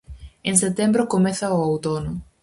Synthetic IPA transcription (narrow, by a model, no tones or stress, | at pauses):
eŋs̬et̪embɾʊkomɛθɐoawt̪onʊ